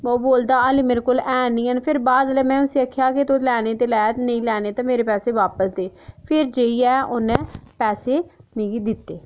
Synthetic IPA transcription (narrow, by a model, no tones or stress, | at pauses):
oːboːld̪aːəliːmeːɾeːkolɛːnĩːənpʰɪɾbaːd̪lemɛ̃ːʊsiːəkʰːjaːket̪olɛːneːt̪eːlɛːt̪nə̃ĩːlɛːneːt̪ãːmeːɾeːpɛːseːʋaːpəsd̪eːpʰɪɾd͡ʒeːiːɛːʔʊnɛ̃ːpɛːseːmĩːɡiːd̪ɪt̪ːeː